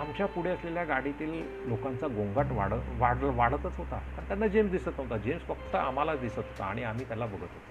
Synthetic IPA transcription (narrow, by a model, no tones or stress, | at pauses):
amt͡ɕjapuɽ̤eəsleljaɡaɽit̪iːl | lokant͡saɡõŋɡaʈʋaɽəʋaɽʋaɽ̤ət̪ət͡sɦot̪akaɾt̪janːad͡ʑemsd̪isət̪ot̪ad͡ʑemsfək̚t̪əʔam̤alad̪isət̪ɦot̪a̰aɽ̃iam̤iːt̪jalabəɡʱət̪ɦot̪a